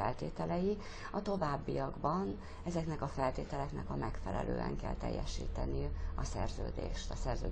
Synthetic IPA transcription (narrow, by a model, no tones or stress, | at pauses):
ɛlt̪eːt̪ɛlɛji | ɒt̪o̞vaːbːiɒɡbɒn | ɛzɛknɛkɒfɛlt̪eːt̪ɛlɛknɛkɒmɛkfɛlɛ̰lʔøːɛ̰ŋkɛlt̪ɛ̰jːɛʃḭːt̪ɛniɒsɛrzøːd̪ḛːʃt̪ɒsɛrzøː